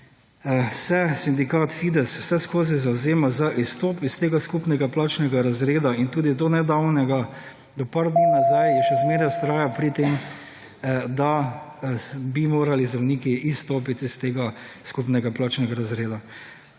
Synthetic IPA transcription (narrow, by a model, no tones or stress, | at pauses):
sɛsind̪ikaːt̪fiːd̪ɛsw̥sɛskoːzizawzeːmazaʔist̪oːpist̪eːɡaskupnɛɡaplaːt͡ʃnɛɡaɾazɾeːd̪aint̪uːd̪id̪onɛd̪awnɛɡa | d̪ɔpaɾd̪ninazajjɛʃɛzmeːɾjɛst̪ɾaːjapɾit̪eːm | d̪a | bimoːɾalizd̪ɾɐwniːkiʔist̪oːpit̪ist̪eːɡa | skupnɛɡaplaːt͡ʃnɛɡaɾazɾeːd̪a